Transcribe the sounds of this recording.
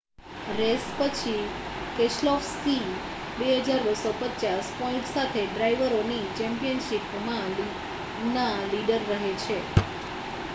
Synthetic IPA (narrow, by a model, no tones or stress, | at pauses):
ɾespət͡ʃʰikeʃlɔfsi | beɦəd͡ʒaɾʋəsopətːt͡ʃaspɔĩɳʈsat̪ʰeɖɾaiʋəɾonit͡ʃɛmpijənʃip | mã | nãliɖəɾːəɦet͡ʃʰe